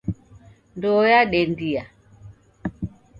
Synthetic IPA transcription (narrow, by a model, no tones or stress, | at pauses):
ndɔjaɗɛndija